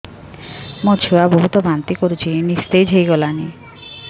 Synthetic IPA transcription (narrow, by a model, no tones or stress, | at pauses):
mot͡ʃʰuaboɦut̪ɔbʱant̪ikoɾut͡ʃʰinist̪ejd͡ʒʱejɡɔlani